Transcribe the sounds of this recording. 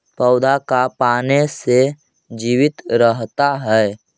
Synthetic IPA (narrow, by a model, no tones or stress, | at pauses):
pɔʊd̪ʱakapaːnese | d͡ʒiːʋɪt̪ɾəɦt̪aɦɛː